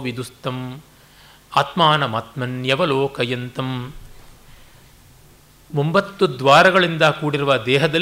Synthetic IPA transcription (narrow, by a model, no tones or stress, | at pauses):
ʋid̪ust̪ɐm | ɐt̪maːnɐmɐt̪mɐnjɐʋɐloːkɐjɐnt̪ɐm | ombɐt̪ːud̪ʋaːɾɐɡɐɭind̪ɐkuːɽiɾuʋɐd̪ɛːɦɐd̪ɐ